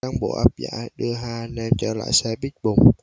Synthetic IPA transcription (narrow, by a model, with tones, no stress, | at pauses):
aː˧nɓo̰˧˨ʔaː˦˥p̚za̰ː˧˥ɗɨ˧əɦaː˧nɛ˧nt͡ɕɔː˧˩la̰ː˧˨jsɛ˧ɓi˦˥k̚ɓʊ˨˩ŋ͡m